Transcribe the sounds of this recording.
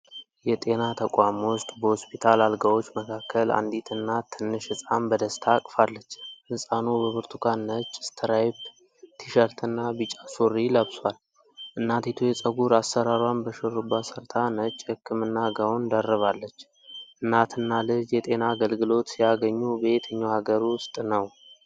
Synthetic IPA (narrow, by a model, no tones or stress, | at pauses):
jɛt̪ʼe̞nat̪ʰəkʼamwʊst̪ʼbəhospʰit̪ʰalalɡawo̞t͡ʃːməkʰakːəla̰nd̪it̪ʰɨnːat̪ʰːɨnːɨʃɨsʼambəd̪əst̪ʰakʼfalːət͡ʃːmɨsʼanubəβɨɾt̪ʰukʰanːət͡ʃʼːɪst̪ʰəɾajb | t̪ʰiʃəɾt̪ʰɨnːabɨt͡ʃʼasoɾiləβswal | ʔɨnːat̪it̪ʰujɛt͡sʼəɡuɾasəɾaɾwanbəʃɨrːubːasəɾt̪ʰanət͡ʃʼːhɨkːɨmɨnːaɡawond̪ərːəβalːət͡ʃː | ʔɨnːat̪ʰɨnːalɨd͡ʒjɛt̪ʼe̞naːɡəlɡɨlo̞t̪sijaɡəɲːubet̪ʰəɲːawhaɡəɾʊst̪ʼnəw